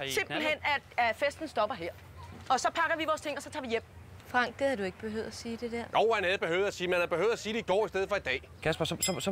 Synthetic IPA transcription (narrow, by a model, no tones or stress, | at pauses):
se̝m̰b̥l̩hen̰æ̥fesd̥n̩sd̥ɒ̽b̥ɐɦeɐ̰ | ɒ̽sɒ̽pʰɑ̈ɡ̥ɐʋiʋɒːst͡sʰe̝ŋ̰ɒsɒ̽t͡sʰɑ̈ʋijem̰ | fʁɑ̈ŋ̰ɡ̥̩ˠhɑd̥ue̝ɡ̥əb̥e̝ɦø̰æsiːd̥e̝d̥eɐ̰nʔoʊ̰hænhæð̞̩ˠb̥e̝høʊð̩ˠæsiːmænhæb̥ehøʊðˠæsiːdeiɡ̥ɒ̰ːisd̥eð̩ˠfɒ̽id̥ɛ̰ːkʰæsb̥ɐsɒ̽sɒs